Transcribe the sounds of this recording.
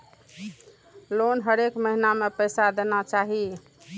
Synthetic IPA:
lonɦəɾekməɦinamepəjsad̪enat͡ʃaɦi

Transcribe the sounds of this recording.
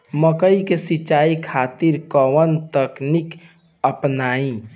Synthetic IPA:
məkəikesit͡ʃaikʰat̪iɾkəʋənt̪əknik | əpnaĩ

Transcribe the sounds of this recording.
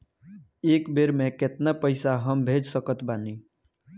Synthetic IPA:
eːkbeɾmẽkɪt̪napəɪsaɦəmbʱeːd͡ʒsəkət̪baːniː

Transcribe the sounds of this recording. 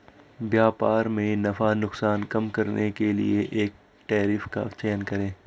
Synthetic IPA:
bjaːpaːɾmẽnɐfanʊksaːnkɐmkɐɾnʔekelḭeʔeːk̚ | ʈɛːɾɪfka̰t͡ʃɛːnkɐɾẽː

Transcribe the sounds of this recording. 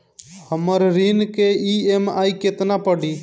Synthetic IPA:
həməɾɾinkeiemajket̪napəɽi

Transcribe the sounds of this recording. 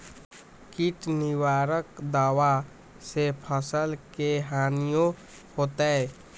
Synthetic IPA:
kɪʈnɪwaːɾəkd̪aːwa | sepʰəsəlkeɦaːnijõ | hoːt̪eɛ

